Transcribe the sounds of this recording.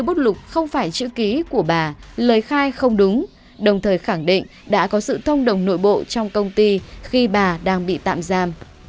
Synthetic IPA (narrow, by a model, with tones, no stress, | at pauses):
ɲ˧wɓo˦˥t̚lʊ˨˩k͡p̚xə˧wŋ͡mfaː˧˩jt͡ɕɨ̰˧˥ki˨˦ku˧˩əɓaː˨˩ləː˨˩jxaː˧jxə˧wŋ͡mɗʊ˨˦ŋ͡m | ɗə˨˩wŋ͡mt̪ʰəː˨˩jxa˧˩ŋɗḭ˧˨ŋ̟ɗa̰ː˧˥kɔ˨˦sɨ̰˧˨t̪ʰə˧wŋ͡mɗə˨˩wŋ͡mno̰˧˥jɓo̰˧˨t͡ɕɔ˧wŋ͡mkə˧wŋ͡mt̪i˧xi˧ɓaː˨˩ɗaː˧ŋɓḭ˧˨t̪a̰ː˧˨mzaː˧m